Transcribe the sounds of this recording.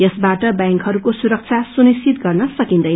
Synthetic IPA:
jʌsbaʈʌbjaŋkɦʌɾukosuɾʌk̚t͡sʰasunist͡ɕit̪ɡʌrnʌsʌkind̪ʌjn

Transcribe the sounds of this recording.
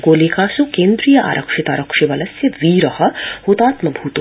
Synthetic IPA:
koːlekaːsukẽːnd̪ɾijɐʔa̰ːɾʔɐkʂit̪a̰ːɾɐkʂiʋɐlɐsjɐʋiːɾɐhɐ̆hut̪aːt̪mɐbʱuːt̪

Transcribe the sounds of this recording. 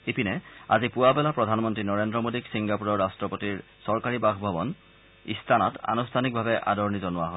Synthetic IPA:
epinɛa̰zipʊwabɛlapɹɔdʱanmɔntɹinɔɹendɹɔmodiksiŋɡapuɹɔɹastɹɔpotiɹsɔɹkaɹibaxbʱɔbɔn | ḭstʰanɔta̰nustʰanik̚bʱabɛʔa̰dɔɹnizɔnʊwaɦɔ

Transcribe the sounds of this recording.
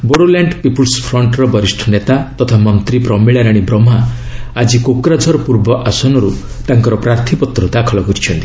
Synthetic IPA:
boɽolaɳɖpipulspʰɾɔɳʈɾɔbɔɾisʈʰɔnet̪at̪ɔt̪ʰamɔnt̪ɾipɾɔmiɭaɾaɽ̃ibɾɔmaad͡ʒikokɾad͡ʒʱɔɾɔpuɾbɔʔasɔnɔɾu | t̪aŋkɔɾɔpɾaɾt̪ʰipɔt̪ɾɔd̪akʰɔlɔɡɔɾit͡ʃʰɔnt̪i̥

